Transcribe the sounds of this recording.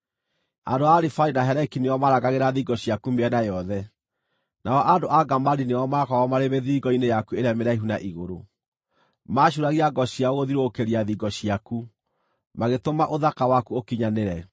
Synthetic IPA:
andoaɾifainaɦɛɾɛkineɔmaɾaɣaɣeɾaðiɡɔɕiakumeɛnajɔðɛ | naɔʔadoʔaɡamaɾineɔmakɔɣɔmaɾemeðiːɡɔinejakueɾeameɾaiɦunaʔiɣoɾo | maɕuɾaɣiaɡɔɕiaoɣoðiɾoːkeɾiaðiɡɔɕiaku | maɣetomaʔoðakawakuokiɲaneɾɛ

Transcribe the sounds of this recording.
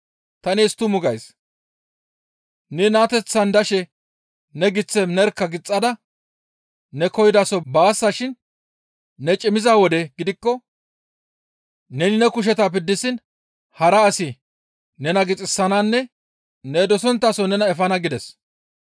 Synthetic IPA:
t̪ɐnɛːst̪ːʊmʊɡɐjs | nɛnaːt̪ɛt͡sːɐnd̪ɐʃɛ | nɛɡɪt͡sːɛnɛɾkːɐɡɪt͡sʼːɐd̪ɐ | nɛkɔjɪd̪ɐsɔbaːsːaʃɪnː | ɛt͡ʃʼɪmɪzaːwɔd̪ɛɡɪd̪ɪkːɔ | nɛnɪnɛkʊʃ̬ɛt̪apɪd̪ːɪsɪn | hɐɾɐːsɪ | nɛnɐɡɪt͡sʼɪsːɐnaːnːɛ | nɛd̪ɔsɔnt̪ːɐːsɔnɛnɐɛfɐnɐɡɪd̪ɛs

